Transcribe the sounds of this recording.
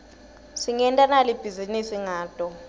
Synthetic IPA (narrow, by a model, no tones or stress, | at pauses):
siŋɛntʼanalib̥ʱizinisiŋaːd̥ʱʼɔ